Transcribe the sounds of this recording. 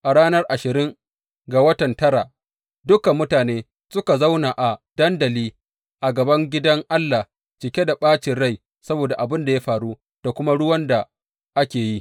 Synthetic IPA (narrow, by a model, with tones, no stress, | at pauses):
ʔa˨ɽaː˦nɐ˦rʔa˨ʃɪ˨ɾɪ˦ŋ | ɡa˨wɐ˦tɐ˨ntɐ˦ɾa˨ | dʊ˦ka˨mːʊ˦taː˨neː˦ | sʊ˦ka˨za˦wna˨ʔa˨d̥ɐ˦ndɐ˨liː˦ | ʔa˨ɡɐ˨bɐ˦ŋɡʲɪ˦dɐ˦ŋʔa˦lːa˨ | t͡ʃɪ˨kʲe˦da˨ɓaː˦t͡ʃɪ˨nɽa˦˨j | sɐ˦boː˨da˨ʔa˨bɪ˦nda˨ja˦ɸaː˨ɽu˦ | d̥a˨kʷʊ˦ma˦ɽʊ˦wɐ˦nda˨ | ʔa˦kʲeː˨ji˦